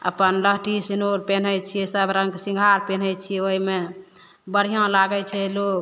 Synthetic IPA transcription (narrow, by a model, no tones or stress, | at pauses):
ə̰pənləɦʈisinoɾpen̤əjt͡ʃʰiɛsəbɾə̃ŋɡsĩŋɡʱaɾpen̤ɛjt͡ʃʰiɛoime | bəɽ̤ijõlaɡɛt͡ʃʰɛlok